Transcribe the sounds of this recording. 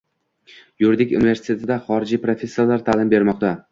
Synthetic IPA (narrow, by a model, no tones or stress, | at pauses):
jʊɾd̪ɪkʲṵnɪve̞ɾsɪ̥t̪ʰe̞t̪ʰɪd̪aχɒɾɪd͡ʒipɾofʲe̞sːijalaɾt̪ʰalɪmbe̞ɾmɒq̚t̪a